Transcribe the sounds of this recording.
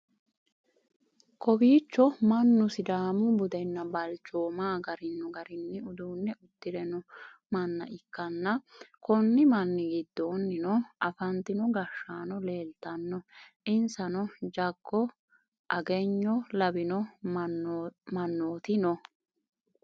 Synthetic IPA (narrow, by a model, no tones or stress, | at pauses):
kɔbiːt͡ʃːɔmɐnːʊsɪd̪aːmʊbʊd̪ɛnːɐbɐlt͡ʃːoːmaːɡɐɾɪnːɔɡɐɾɪnːɪʊd̪uːnːɛʊd̪ːɪɾɛnɔ | mɐnːɐ̰ʔɪkːɐnːɐkɔnːɪmɐnːɪɡɪd̪ːoːnːɪnɔɐfɐnt̪ɪnɔɡɐʃːaːnɔle̞ːlt̪ɐnːɔʔɪnsɐnɔd͡ʒɐɡːɔ | ʔɐɡɛɲːɔlɐbɪnɔ | mɐnːoːt̪ɪnɔ